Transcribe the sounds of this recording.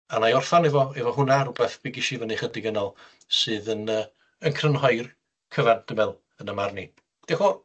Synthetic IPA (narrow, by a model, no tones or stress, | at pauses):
anajɔrθanɛvɔɛvɔɦʊnaɾubɛθb̥iɡɪʃivəniχədɪɡənɔlˠ | sɨːðənə | ənkʰrənhɔjr | kʰəvand̥əmɛlˠ | ənəmarni | d̥eχo